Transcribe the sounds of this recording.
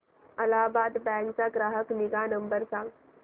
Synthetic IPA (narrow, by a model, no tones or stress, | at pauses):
əlabaːd̪bɛ̃ŋkt͡saɡɾaɦəkniɡanəmbəɾsãŋɡ